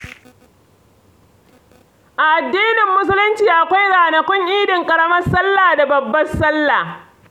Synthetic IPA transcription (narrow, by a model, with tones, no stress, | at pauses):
ʔa˨ʔa˨dːiː˦nɪ˨mːʊ˦s̬ʊ˦lʊ˦nt͡ʃiː˨ʔa˨kʷa˦jɽaː˨nɐ˨kʷʊ˦ŋʔiː˦dɪ˨ŋkʼɐ˨ɽɐ˦mɐ˦sɐ˦lːaː˨da˨bɐ˨bːɐ˦sɐ˦lːa˨